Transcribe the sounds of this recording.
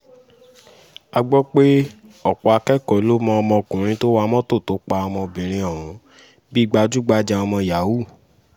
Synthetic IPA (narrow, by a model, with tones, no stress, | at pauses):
a˧ɡ͡bɔ˦k͡pe˦ɔ˦˨k͡pɔ˧a˧kɛ˦kɔ˨˦lo˦mɔ̃˧ɔ˧mɔ̃˧kũ˨ɾ̃ĩ˨˦to˦wa˧mɔ̃˦to˦˨to˨˦k͡pa˧ɔ˧mɔ̃˧bĩ˨ɾ̃ĩ˧ɔ˨ɾ̃ũ˨˦ | bi˦˧ɡ͡ba˧d͡ʒu˦ɡ͡ba˧˦d͡ʒa˧ɔ˧mɔ̃˧ja˨˦wu˦˨